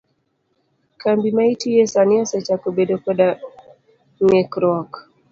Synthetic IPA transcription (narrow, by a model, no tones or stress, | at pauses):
kambimaitijɛsaniasat͡ʃakobedɔkɛɗa | ŋɛkɾwɔk